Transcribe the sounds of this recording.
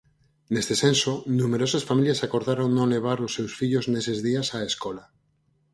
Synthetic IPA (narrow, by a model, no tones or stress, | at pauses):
nest̪esensonũmeɾosasfamiljasako̞ɾðaɾoŋnõnleβ̞aɾosːewsfiʎoznesezðiasaeskola